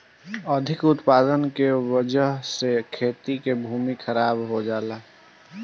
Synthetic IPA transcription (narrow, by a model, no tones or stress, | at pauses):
əd̪ʱɪkʊt̪paːd̪ənkewəd͡ʒəɦsekʰeːt̪ikebʱuːmixʰəɾaːbɦod͡ʒaːlaː